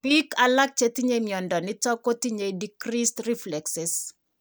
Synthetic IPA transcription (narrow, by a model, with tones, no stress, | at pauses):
pi˦kala˦k̚t͡ʃe˦t̪i˦ɲe˦mjɔ˨ndɔ˨nɪ˦tɔ˦ko˦t̪i˦ɲe˨dikɾistri˦flɛksɪ˨s